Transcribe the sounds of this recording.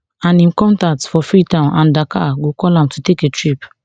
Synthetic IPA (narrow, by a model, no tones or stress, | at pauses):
ãnĩmkɔ̃ntatfɔfɹitãʊ̃nãndakʰa̰ɡokɔlãmtʰuteketʰɹip